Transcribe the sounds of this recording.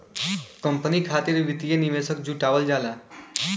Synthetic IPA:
kəmpənikʰaːt̪iɾʋit̪ijeniʋesəkd͡ʒuʈaːʋəld͡ʒaːla

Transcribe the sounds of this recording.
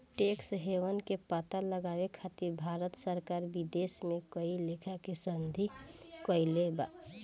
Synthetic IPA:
ʈeksɦewənkepat̪aləɡaːwekʰat̪iɾbʱaːɾət̪səɾkaːɾbid̪esmẽkəilekʰakesənd̪ʱi | kəileba

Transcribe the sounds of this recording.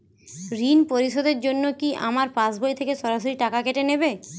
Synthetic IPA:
ɾinpoɾiʃod̪eɾd͡ʑonːokiʔa̰maɾpãsbojt̪ʰekeʃɔɾaʃoɾiʈakakeʈenebe

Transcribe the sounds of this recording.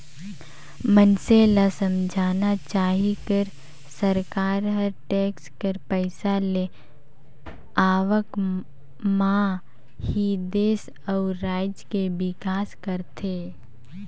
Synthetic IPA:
mənselasəmd͡ʒʱaːnat͡ʃaːɦikəɾ | səɾkaːɾɦəɾʈɛːkskəɾpəɪsale | aːʋək | mã | hid̪eːs | ɔʊɾaːɪd͡ʒkebɪkaːskəɾt̪ʰeː

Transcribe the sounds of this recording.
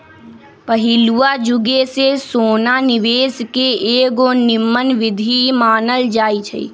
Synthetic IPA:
pəɦiluad͡ʒuɡesesoːnanɪʋeːskeeːɡonɪmːənʋɪd̪ʱimaːnəld͡ʒaːit͡ʃʰə̰ḭ

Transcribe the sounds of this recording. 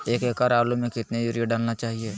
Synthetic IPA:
eːkeːkaːɾaːlomẽkɪt̪nejuɾijeɖaːlnat͡ʃaːɦieː

